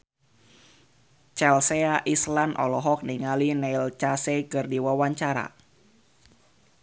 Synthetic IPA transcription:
t͡ʃɛlseaʔislanʔɔ̰lɔɦɔk̚niŋalinɛilt͡ʃasekɨrdiwawaɲt͡ʃaɾa̰

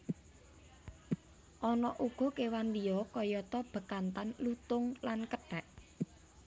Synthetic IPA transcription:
ʔɔnɔʔuɡ̥ɔ̤kewanlijɔkɔjɔt̪ɔb̥ə̤kant̪anlut̪ʊŋlankəɖ̥ɛʔ

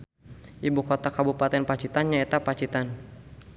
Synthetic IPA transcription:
ʔibukɔt̪akabupat̪ɛnpat͡ʃit̪anɲaet̪apat͡ʃit̪an

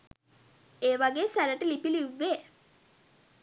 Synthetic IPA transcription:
eːʋaɡeːsæɾəʈəlipiliʋːeː

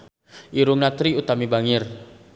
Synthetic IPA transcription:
ʔiɾʊŋnat̪ɾiut̪amibaŋɪr

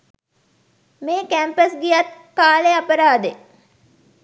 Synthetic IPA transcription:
meːkæmpəsɡijɐt̪ | kaːleɐpəɾaːd̪e

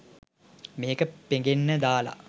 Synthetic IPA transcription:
meːkəpeŋɡenːəd̪aːla̰

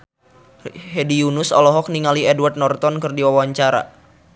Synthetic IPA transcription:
hedijunʊsɔ̰lɔɦɔk̚niŋaliɛdward̪̚nɔrt̪ɔnkɨrdiwawaɲt͡ʃaɾa̰

